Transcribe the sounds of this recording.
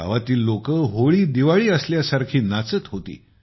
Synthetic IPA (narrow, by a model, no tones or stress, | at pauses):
a̰ʋat̪iːlːokəːɦoɭiːd̪iʋaɭiːəsljasaɾkʰiːnat͡sət̪ɦot̪ḭː